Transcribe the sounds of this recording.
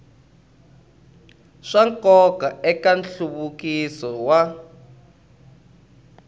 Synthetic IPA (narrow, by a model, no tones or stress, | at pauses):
ʂaŋkɔkaɛkanɬuβukisɔwa